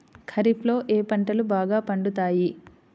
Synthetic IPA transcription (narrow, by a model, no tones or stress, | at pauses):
kʰɐɾiplo̞ːʔeːpɐɳʈɐlubaːɡaːpɐɳɖut̪aːji